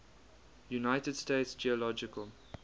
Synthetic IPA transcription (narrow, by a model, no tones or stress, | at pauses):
junaɪtədsteɪtsd͡ʒiəlɔd͡ʒɪkəlˠ